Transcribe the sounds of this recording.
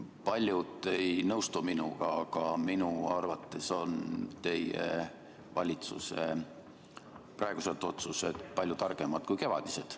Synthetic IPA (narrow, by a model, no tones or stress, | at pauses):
pɑlʲjud̪e̞jnɤwst̪uminṵɡ̥ɑɑɡ̥ɑminuɑrvɑt̪ːˑe̞so̞nt̪e̞jḛ | vɑlʲit̪sṵse | prɑeɡ̥uselt̪ːˑo̞t̪suse̞d̪̥pɑlʲjut̪ɑrɡ̥e̞mɑd̪̥kujke̞vɑ̰d̪̥ise̞d̪̥